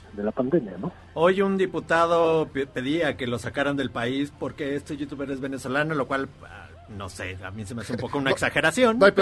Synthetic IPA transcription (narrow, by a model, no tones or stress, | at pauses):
d̪e̞lapand̪emjano | o̞jund̪iput̪að̞o̞pe̞ðiake̞lo̞sakaɾand̪e̞lpaispo̞ɾkeest̪eʝut̪uβeɾezβe̞neso̞lanolo̞kwal | a̰ | no̞̰se̞̰a̰mjensemeaseumpo̞kounaeksaxe̞ɾasjo̞na